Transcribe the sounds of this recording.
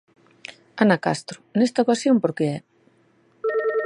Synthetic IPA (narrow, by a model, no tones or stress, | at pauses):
anakast̪ɾʊnest̪aokasjompoɾkeɛ